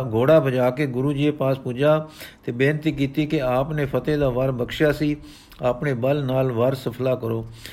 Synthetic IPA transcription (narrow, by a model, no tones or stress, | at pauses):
ɡoːɽaːbəd͡ʒaːkeːɡʊɾuːd͡ʒiːeːpaːspud͡ʒaːt̪eːbeːnt̪iːk̬iːt̪iːkɪaːpneːpʰət̪eːd̪aːʋəɾbəkʃjaːsiː | aːpneːbəlnaːlʋəɾsəpʰlaːkəɾoː